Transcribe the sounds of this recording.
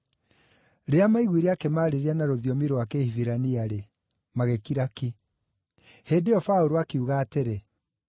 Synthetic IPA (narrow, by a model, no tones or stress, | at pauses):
ɾeamaiɣwiɾeakɛmaːɾeɾeanaɾoðiɔmiɾowakɛhiviɾaniaɾe | maɣekiɾaki | heːdeɔfaoɾoakeuɣaːteɾe